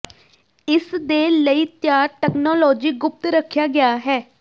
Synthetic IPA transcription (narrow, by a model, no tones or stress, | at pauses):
ɪsd̪eːləiːt̪jaːɾʈɛːknɔːlɔːd͡ʒiːɡʊp̚t̪ɾəkʰjaːɡɪaːɦɛː